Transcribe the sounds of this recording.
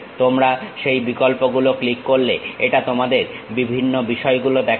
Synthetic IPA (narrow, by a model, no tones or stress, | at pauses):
t̪omɾaʃejbikolpoɡuloklikːoɾleeʈat̪omad̪eɾbibʱinːobiʃɔeɡulod̪ɛk